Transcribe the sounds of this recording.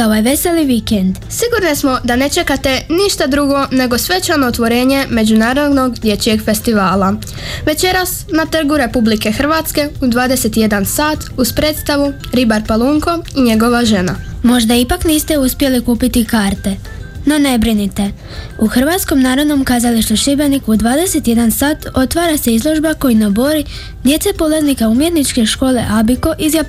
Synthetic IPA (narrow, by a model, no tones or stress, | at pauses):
oʋajʋe̞se̞liʋikend̪ | siɡuɾnismo̞d̪ane̞t͡ʃe̞kat̪e̞niʃt̪ad̪ɾuɡo̞ne̞ɡo̞sʋe̞t͡ɕanoːt̪ʋoɾe̞ːɲe̞me̞d͡ʑunaːɾo̞d̪no̞ɡd̪je̞t͡ɕije̞ɡfe̞st̪iʋaːla | ʋe̞t͡ɕe̞ɾasnat̪r̩ɡuɾe̞publike̞xr̩ʋat̪ske̞ud̪ʋaːd̪ese̞t̪ije̞d̪ansaːt̪uspɾe̞ːt̪st̪aʋu | ɾibaɾpalˠuŋko̞iɲe̞ɡo̞ʋaʒe̞namo̞ʒd̪aipakniːst̪e̞uspje̞likuːpit̪ikaːɾt̪e̞ | no̞ne̞bɾinit̪e̞ | uxr̩ʋaːt̪sko̞mnaːɾo̞d̪no̞mkaːzaliʃt̪oʃibenikud̪ʋaːd̪e̞se̞t̪je̞d̪ansaːt̪o̞t̪ʋaːɾase̞izlˠo̞ʒbako̞jinobo̞ɾi | d̪je̞t̪sepolaznikaumje̞t̪nit͡ʃke̞ʃko̞ːle̞ʔabiko̞ʔizja